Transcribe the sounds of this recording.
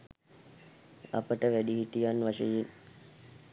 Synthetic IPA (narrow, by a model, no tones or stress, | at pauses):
a̰pəʈəʋæɖiɦiʈ̪ijanʋaʃəjen